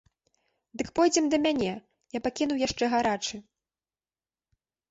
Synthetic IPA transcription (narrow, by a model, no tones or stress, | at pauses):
d̪ɨkpɔjd͡zʲɛmd̪ɐmʲanʲɛ | japakʲin̪uwjaʂt͡ʂɛɣaɾat͡ʂɨ